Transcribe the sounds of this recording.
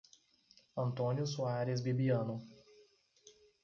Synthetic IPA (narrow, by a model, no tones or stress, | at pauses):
ɐnt̪ɔːnʲʊsʊaːɾʲesbʲɪbʲijaːnʊ